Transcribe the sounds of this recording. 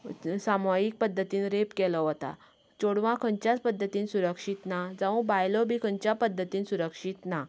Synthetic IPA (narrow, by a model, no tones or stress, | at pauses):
samajik̚pəd̪ʱːət̪iːnɾepkɛlɔɦot̪a̰ | t͡ɕoɽʋãkʰəɲt͡ɕjat͡spəd̪ʱːət̪iːnsuɾəkʂiːt̪nad͡zaʋə̃bajlɔbʱiːkʰəɲt͡ɕjapəd̪ʱːət̪iːnsuɾəkʂit̪na